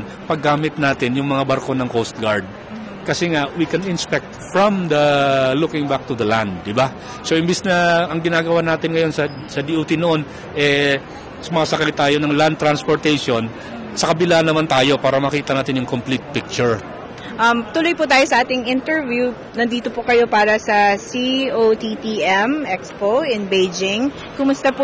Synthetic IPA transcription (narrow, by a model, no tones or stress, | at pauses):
n | pɐɡːaːmɪt̪̚naːt̪ɪnjʊŋmɐŋabɐɾko̞nɐŋkost̪̚ɡaɹd̪̚ | kɐsɛŋaʔwikɛnɪnspɛk̚t̪̚fɹɔmd̪ɐlukɪŋbak̚t̪ud̪ɐland̪̚ːɪba | soʔɪmbisnɐʔɐŋɡɪnaːɡɐwanaːt̪ɪnŋɐjo̞nsɐ | sɐd̪iʔoːt̪inoʔo̞n | ʔɛ | sʊmɐsɐkɐjt̪aːjo̞nɐŋland̪̚t̪ɾanspoɹt̪ɛjʃo̞n | sɐkɐbɪlanɐmant̪aːjo̞paːɾɐmɐkiːt̪ɐnaːt̪ɪnjʊŋkomplit̪̚pɪk̚t͡ʃʊɹ | ʔɐmt̪ʊlojpʊt̪aːjosɐʔaːt̪ɪŋʔɪnt̪ɛɹvju | nɐnd̪iːt̪opʊkɐjo̞paːɾɐsɐsiot̪it̪iʔɛmʔɛkspoʔɪnbejd͡ʒɪŋ | kʊmʊst̪ɐpʊ